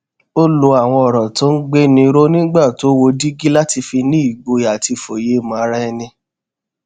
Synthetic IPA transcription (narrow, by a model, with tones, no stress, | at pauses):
o˦lo˨˧a˨w̃ɔ̃˧ɔ˨ɾɔ̃˨tɔ̃˨˦n̩˦ɡ͡be˦nĩ˧ɾo˦nĩ˦ɡ͡ba˦˨to˨˦wo˧di˦ɡi˦la˦ti˧fi˧nĩ˦i˦˨ɡ͡bo˧ja˨ti˧˨fo˨je˨˦˨mã˨a˧ɾa˦ɛ˧nĩ˧